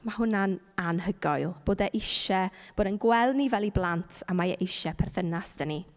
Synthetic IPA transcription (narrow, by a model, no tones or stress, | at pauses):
mahʊnan | anhəɡɔjlˠb̥oːdɛʔɪʃɛb̥oːdənɡwɛlˠdnivɛlˠiblˠantʰamaɛʔɪʃɛpʰɛrθənasd̥əni